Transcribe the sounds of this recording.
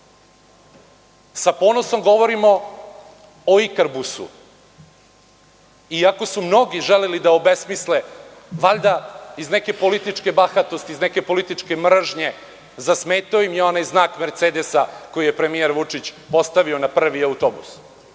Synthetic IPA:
sapo̞ːno̞so̞mɡo̞ʋo̞ɾimo̞ | oikɾbusṵ | iako̞sumno̞ɡiʒelelid̪aobe̞smisle | ʋaʎd̪aizne̞ke̞po̞lit̪it͡ʂke̞baxat̪ost̪iːzneke̞po̞lit̪it͡ʂke̞mr̩ʒɲe̞ | zasmeːt̪aoimjeo̞najznaːkme̞ɾt̪seːd̪esako̞jijepɾe̞mijeɾʋut͡ʂit͡ɕpo̞st̪aʋio̞napr̩ʋiawt̪obṵs

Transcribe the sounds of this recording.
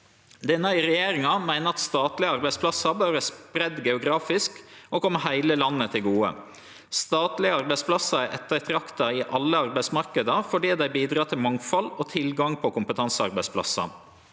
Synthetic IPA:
d̪ɛnəɪɾɛjeːɾɪŋɑmæɪnəɑt̪st̪ɑːt̪lɪəɑɾbæɪspʰlɑsɑbøːɾəspɾɛd̪ɡɛʊɡɾɑːfɪskokʰɔmːhæɪləlɑnːət̪ʰɪlɡuːə̰ | st̪ɑːt̪lɪəɑɾbæɪspʰlɑsːɑʔɛt̪ːəɾt̪ʰɾɑkt̪ɑɪʔɑlːəɑɾbæɪsmɑɾkəd̪əfɔɖiːd̪æɪbiːd̪ɾɑːt̪ʰɪlmɑŋfɑlɔt̪ʰɪlɡɑŋpʰɔkʊmpət̪ʰɑnsɑɾbæɪspʰlɑ̰sɑ̰

